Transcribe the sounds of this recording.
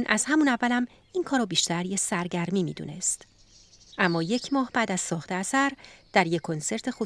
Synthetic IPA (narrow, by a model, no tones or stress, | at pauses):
nʔæz̥hæmunævːælæm | iːnkʰɒːɾɒːbiːʃt̪æɾjesæɾɟæɾmiːmḭːd̪ṵːne̞st̪ | ʔæmːɒːje̞cʰmɒːhbæːd̪æz̥sɒːχt̪eæsæɾd̪̥æɾjekʰo̞nse̞ɾt̪ʰexu